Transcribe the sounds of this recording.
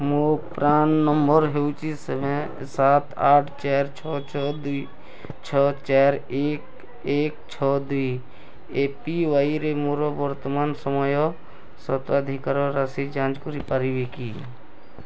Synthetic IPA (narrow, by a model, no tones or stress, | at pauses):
mopɾaːnːəmbəɾɦeut͡ʃisəmẽ | saːt̪ʰaːʈʰt͡ʃeːɾt͡ʃʰɔt͡ʃɔd̪i | t͡ʃʰɔːt͡ʃeːɾeːk | eːkt͡ʃʰɔːd̪ʋiː | eːpiʋaːiɾemoːɾɔbəɾt̪əmaːnsəmɔjɔ | sət̪əd̪ʱikaːɾɔɾasid͡ʒãːnd͡ʒkʊɾipaɾiʋekiː